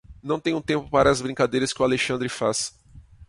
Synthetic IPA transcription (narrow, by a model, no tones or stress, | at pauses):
nɐ̃w̃t̪ẽjũt̪ẽmpʊpaɾɐːzbɾĩŋkad̪ejɾɐskɪʊaleʃɐ̃nd̪ɾɪfas